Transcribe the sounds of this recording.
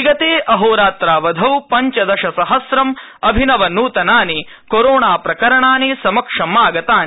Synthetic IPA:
iɡɐt̪eːʔɐɦoːɾaːt̪ɾaːʋɐd̪ʱɐwpɐɲt͡ʃɐd̪ɐʃɐsɐɦɐsɾɐm | ɐbʱinɐʋɐnuːt̪ɐnaːni | koɾoːɳaːpɾɐkɐɾɐɳaːnisɐmɐkʂɐmaːɡɐt̪aːn

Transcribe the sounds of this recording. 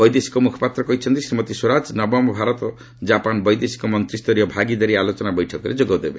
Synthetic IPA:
bɔjd̪esi̥kɔmukʰɔ̥pat̪ɾɔkɔɦit͡ʃʰɔnt̪isimɔt̪isoɾad͡ʒnɔbɔmɔbʱaɾɔt̪ɔ | d͡ʒapanbɔjd̪esi̥kɔmɔnt̪ɾist̪ɔɾijɔbʱaɡid̪aɾialot͡ʃɔnabɔjʈʰɔkɔɾḛd͡ʒoɡawd̪ebe

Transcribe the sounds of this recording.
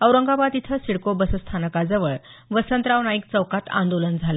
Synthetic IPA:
əwɾəŋɡabad̪it̪ʰəsiɽkobəsəst̪ʰanəkad͡zəʋəɭʋəsənt̪ɾaʋnaik̚t͡səwkat̪ã̰nd̪olənd͡zʱalə

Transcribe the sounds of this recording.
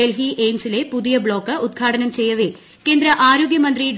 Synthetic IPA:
elɦiʔeːmsile̞puðijɐbɭo̞ːkːɨud̪̚ɡʰʱaːʈʰɐnɐmt͡ɕe̞jːɐʋe | ke̞ːnd̪ɾɐʔaːɾoːɡjɐmɐnd̪riɖ

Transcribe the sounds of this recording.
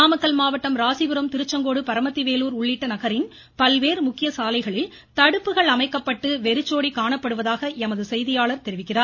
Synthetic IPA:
aːmɐkːɐlmaːʋɐʈːɐmɾaːsɪʋɯɾɐmt̪ɪɾɯt͡ʃːɐŋɡoːɽɯpɐɾɐmɐt̪ːiʋeːluːɾʊɭːɪʈːɐnɐɣɐɾɪn | pɐlʋeːɾmʊkːɪjɐsaːlɐɪɣɐɭɪl | t̪ɐɽɯpːɯɣɐɭɐmɐɪkːɐpːɐʈːɯʋɛɾɯt͡ʃːoːɽikaːɳɐpːɐɽɯʋɐðaːɣɐʔɛmɐðɯsɛjðɪjaːɭɐɾt̪ɛɾɪʋɪkːɪraːɾ

